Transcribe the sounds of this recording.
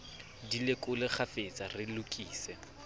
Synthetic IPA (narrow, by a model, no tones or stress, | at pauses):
dilɪkʼʊlɪk͡xʰafet͡sʼarɪlʊkʼiːsɛ